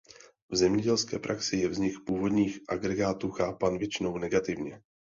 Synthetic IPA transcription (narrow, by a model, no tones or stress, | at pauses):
vzɛmɲɛɟɛlskɛ̰ːpɾʔaksɪjɛvzɲɪkpuːvo̞dɲiːxʔaɡɾɛɡaːt̪uːxaːpaːnvjɛt͡ʃɪno̞wnɛɡat̪ɪvɲɛ